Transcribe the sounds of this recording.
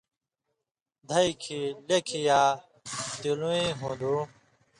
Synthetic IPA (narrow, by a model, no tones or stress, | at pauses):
d̪ʱɐikʰilekʰijaː | t̪iluĩːɦũːd̪ũː